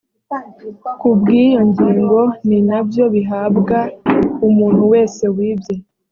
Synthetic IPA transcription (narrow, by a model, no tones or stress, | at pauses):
kubɡiːjo̞ɲɟiːŋɡo̞ninabjo̞βiɦabɡaumuːn̥huwe̞ːse̞wiːbje